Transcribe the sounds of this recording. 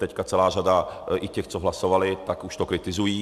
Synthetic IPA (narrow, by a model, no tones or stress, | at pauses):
t̪ɛckat͡sɛlaːʒad̪aɪcɛxt͡soɦlasovalɪt̪akuʃt̪okɾɪt̪ɪzujiː